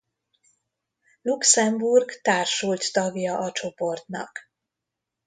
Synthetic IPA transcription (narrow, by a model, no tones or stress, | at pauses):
luksɛmburɡt̪aːrʃult̪t̪ɒɡjɒʔɒt͡ʃo̞po̞rt̪nɒ̰k